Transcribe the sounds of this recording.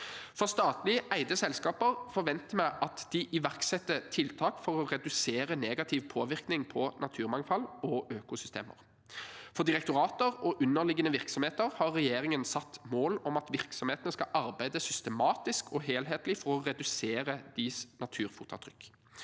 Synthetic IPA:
fɔʁst̪ɑːt̪lɪəʔæɪd̪əsɛlskɑːpəʁfɔʁʋɛnt̪əmæɪʔɑt̪d̪̥ɪʔɪʋæʁksɛt̪ːət̪ʰɪlt̪ʰɑːkfɔʁɔʁɛd̪ʉseːʁəneːɡɑt̪ʰɪʋpʰoːʋɪʁknɪŋpʰɔnɑt̪ʰʉːʁmɑŋfɑlɔʔøːkʊsʏst̪ḛːmə̰ʁ | fɔʁd̪ɪʁɛk̚t̪ʊʁɑːt̪əʁɔʔʉnːəʁlɪɡənəʋɪʁksɔmheːt̪əʁhɑːʁːɛjeːʁɪŋənsɑt̪ːmoːlɔmɑt̪ʋɪʁksɔmheːt̪ənəskɑʔɑɾbæɪd̪əsʏst̪əmɑːt̪ɪskɔɦeːlɦeːt̪lɪfɔʁɔʁɛd̪ʉseːʁəd̪̥ɪsnɑt̪ʰʉːɾfuːt̪ʰɑ̰t̪ʰʁʏkː

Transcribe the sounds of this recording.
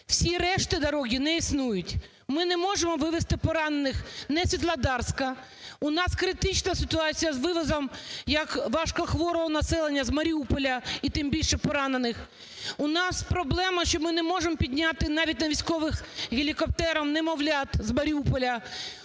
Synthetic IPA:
w̥sʲiɾɛʃt̪ɪd̪ɐɾɔɦʲinɛisnujʊtʲ | mɪnɛmɔʒemɔʋɪʋest̪ɪpɔɾɑnenɪxnɛsʲʋʲit̪lˠɐd̪ɑrskɐ | ʊnɑskɾɪt̪ɪt͡ʃnɐsɪt̪ʊɑt͡sʲijɐzʋɪʋɐzɐmjɐkʋɑʃkɔxʋɔɾɔɦɔnɐsɛlˠenʲːɐzmɐɾʲiupɔlʲɐit̪ɪmbʲilʲʃɛpɔɾɑnenɪx | ʊnɑspɾɔblˠɛmɐʃt͡ʃɔmɪnɛmɔʒemɔpʲid̪ʲnʲat̪ɪnɑʋʲitʲnɐʋʲisʲkɔʋɪxɦɪlʲikɔp̚t̪ɛɾɐwnɛmɔʋlʲat̪zmɐɾʲiupɔlʲɐ

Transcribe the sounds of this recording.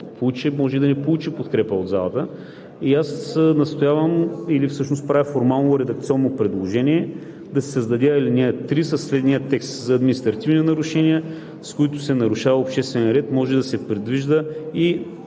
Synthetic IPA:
polˠut͡ʃɛmɔʒɛid̪ɐnɛpolˠut͡ʃipot̪kɾɛpəod̪za̰lˠət̪ə | iasnɐst̪ojavəmilifsɤʃnost̪pɾavʲifoɾmalˠnooɾɛd̪ɐk̚t̪siɔnːopɾɛd̪lˠoʒɛniɛ | d̪ɐsɛ̥səzd̪ɐd̪ʲailinʲɛt̪ɾisəslɛd̪nijət̪ɛkst̪zɐːd̪minist̪ɾɐt̪ivninɐɾʊʃɛniɛ | skoit̪ʊsɛnɐɾʊʃavəopʃt̪ɛst̪vɛniɾɛt̪mɔʒɛd̪ɐsɛpɾɛd̪viʒd̪əi

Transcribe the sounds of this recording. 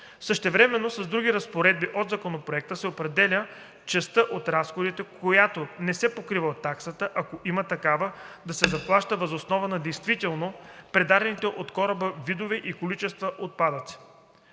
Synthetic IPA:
səʃt̪ɛvɾɛmɛnːosɐzd̪ɾuɡʲiɾɐspoɾɛd̪̚biʔod̪zɐkonopɾoɛk̚t̪əsɛopɾɛd̪ɛlʲə | t͡ʃɛst̪əʔot̪ɾasxod̪it̪ɛkʰojat̪onɛsɛpokɾivət̪ːaksət̪əʔɐkoʔimət̪ɐkavəd̪ɐsɛzɐplˠaʃt̪əvɐzosnɔvɐnɐd̪ɛjst̪vit̪ɛlˠnopɾɛd̪ad̪ɛnit̪ɛʔot̪kɔɾəbəvid̪ovɛʔikolit͡ʃɛst̪vɐʔot̪̚pad̪ət̪si̥

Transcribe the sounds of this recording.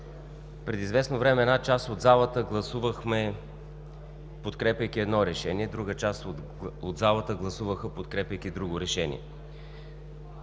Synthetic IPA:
pɾɛd̪izvɛsnovɾɛmɛːd̪nat͡ʃast̪od̪zalˠət̪əɡlˠɐsuvəxmɛ | pot̪kɾɛpʲjəjkiɛd̪nɔɾɛʃɛniɛd̪ɾuɡət͡ʃast̪ | od̪zalˠət̪əɡlˠɐsuvəxəpot̪kɾɛpʲɐjk̟id̪ɾuɡoɾɛʃɛnḭɛ̰

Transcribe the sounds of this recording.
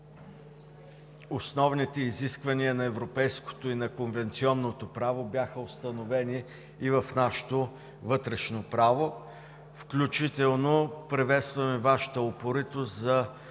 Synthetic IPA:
osnɔvnit̪ɛiziskvɐniənɐɛvɾopɛjsko̥t̪oinɐkonvɛnt̪siɔnːot̪opɾavobʲjaxəost̪ɐnovɛniː | vɐfnaʃɛ̥t̪o | vɤt̪ɾɛʃnopɾavo | fklʲut͡ʃit̪ɛlˠnopɾɛvɛt̪st̪vɐmɛvaʃə̥t̪əopoɾit̪oszɐ

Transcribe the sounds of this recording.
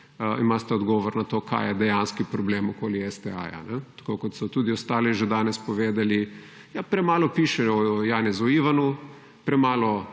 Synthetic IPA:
imast̪ɛɔd̪ɡɔːʋɔɾnat̪oːkʰa̰jɛd̪ɛjanskipɾɔbleːmɔkoːliɛsd̪ɛa̰ːja̰nɛt̪ḁkoːkɔt̪sɔt̪uːd̪iɔst̪aːliʒed̪aːnɛspɔʋeːd̪ali | japɾɛmaːlɔpiːʃɛɔjaːnɛzuiːʋanu | pɾɛmaːlɔ

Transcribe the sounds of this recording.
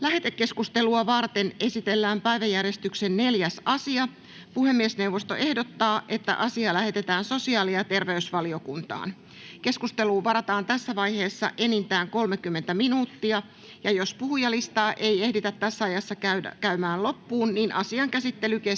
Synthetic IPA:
læɦe̞t̪ekːe̞skust̪e̞luɑʋɑrt̪e̞nʔe̞sit̪e̞lːæːmpæiʋæjːærjest̪yksenne̞ljæsɑsiɑ | puhe̞mːiesne̞wʋost̪o̞̰ʔe̞hdot̪ːɑːʔe̞t̪ːæ̰ʔɑsiɑlæhe̞t̪et̪æːnso̞siɑːliɑt̪e̞rʋeysʋɑlio̞kunt̪ɑ̰ːn | ke̞skust̪e̞luːʋɑɾɑt̪ɑːnt̪æsːæʋɑjhe̞ːsːɑ̰ʔe̞nint̪æːŋko̞lmekymːe̞nt̪æminuːt̪ːiɑ | jɑjo̞spuhujɑlist̪ɑːʔejehdit̪æt̪ːæsːæɑjɑsːɑækæymæːnlo̞pːuːnniːnʔɑsiɑŋkæsit̪ːe̞lyke

